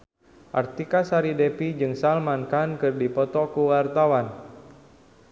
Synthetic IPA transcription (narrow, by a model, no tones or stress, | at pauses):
ʔart̪ikasaɾidepid͡ʒɨŋsalmankankɨrdipɔt̪ɔkuwart̪awan